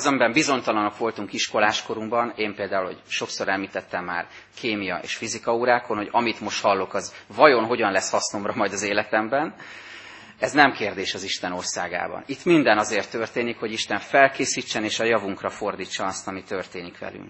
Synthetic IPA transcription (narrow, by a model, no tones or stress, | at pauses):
zɛmbɛmbizo̞ɲt̪ɒlɒnokʋo̞lt̪uŋkiʃko̞laːʃko̞ɾuŋbɒneːmpeːld̪aːulo̰cʃo̞kso̞ɾɛlmiːt̪ɛt̪ːɛmːa̰ːr | kʰeːmijɒ̰ʔḛːʃfizikɒuɾaːko̞nho̞ɟɒmit̪mo̞ʃt̪hɒlːo̞kɒzvɒjo̞nɦo̞ɟɒnlɛshɒsno̞mrɒmɒjd̪ɒzeːlɛt̪ɛmbɛn | ɛznɛmkeːrd̪eːʃɒziʃt̪ɛno̞rsa̰ːɡa̰ːbɒ̰nit̪ːmind̪ɛnɒzeːrt̪ːørt̪eːnikho̞ɟiʃt̪ɛɱfɛlkeːsiːt͡ʃːɛneːʃɒjɒvuŋkrɒfo̞rd̪iːt͡ʃːɒɒst̪ɒmit̪ørt̪eːnikʋɛ̰ly̰ŋk